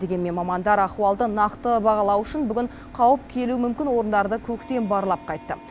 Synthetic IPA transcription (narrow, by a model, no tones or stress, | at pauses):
e̞ɡʲe̞nme̞nmɑmɑnd̪ɑɾɑχuɑlˠd̪ənɑqt̪əbɑʁɑlˠɑwʏʃɪnbʏɡʲɪɴ | qʰɑwəp̚kʲʰe̞luəmʏmkʲɪnwo̞ɾənd̪ɑɾd̪əkʲʰɵkt̪e̞nbɑɾəlˠɑp̚qʰɑjt̪ːə̰